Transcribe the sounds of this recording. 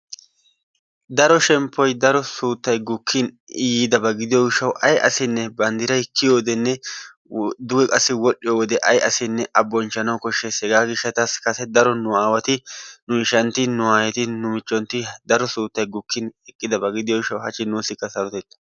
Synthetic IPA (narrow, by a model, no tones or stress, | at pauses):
d̪ɐɾɔʃɛmpʰːɔjd̪ɐɾɔsuːt̪ːɐjɡʊkʰːɪn | ɪjiːd̪ɐbɐɡɪd̪ɪjɔɡɪʃːɐwɐjʔɐ̰sɪnːɛbɐnd̪ɪɾɐjkːɪjoːd̪ɛnːɛ | d̪ʊɡɛkʼɐsːɪwɔɗɪjowɔd̪ɛʔɐjɐsɪnːɛʔɐbːɔnt͡ʃːɐnɐwkɔʃːɛshɛɡaːɡɪʃːɐt̪ɐskɐsɛd̪ɐɾɔnʊaːwɐt̪ɪnʊɪʃɐnt̪ɪnʊaːjɛt̪ɪnʊmɪt͡ʃʼːɔnt̪ɪd̪ɐɾɔsuːt̪ːɐjɡʊkʰːɪnɛkʼːɪd̪ɐbɐɡɪd̪ɪjɔɡɪʃːɐwɦɐt͡ʃːɪnːuːsɪkːɐsɐɾɔt̪ɛt̪ːɐ̥